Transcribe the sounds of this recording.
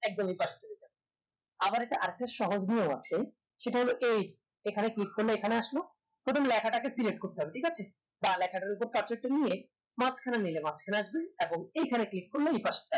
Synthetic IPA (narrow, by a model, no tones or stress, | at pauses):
ɛk̚d̪omejpaʃḁt͡ɕ̪ebid͡ʑa | abaɾɛk̚ʈaʔaɾek̚ʈaʃɔɦod͡ʑnioa̰t͡ɕʰe | ʃeʈaɦoloʔejd͡ʑ | ekʰaneklikːoɾloekʰaneaʃlo | pɾot̪ʰomlɛkʰaʈakesileʈ̚koɾt̪eɦɔbeʈʰikat͡ɕʰe | balɛkʰaʈaɾupoɾkaɾt͡ɕek̚ʈonije | mat͡ɕʰkʰananilemat͡ɕʰkʰanaaʃbeeboŋejkʰaneklikːoɾloejpaʃḁt͡ɕa